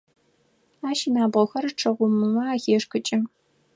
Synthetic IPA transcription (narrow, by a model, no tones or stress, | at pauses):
aːʃinaːbʁɐxɐrʈ͡ʂʰɐʁʷʊmɨmɐaːxeːʂkʰɨt͡ʃʼɪ